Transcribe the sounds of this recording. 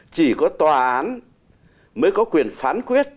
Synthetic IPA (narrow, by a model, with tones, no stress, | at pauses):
t͡ɕi˧˩kɔ˨˦t̪waː˨˩ʔʔʔaː˨˦n | məː˨˦jkɔ˨˦kwi˨˩ənfaː˨˦nkwi˦˥ət̚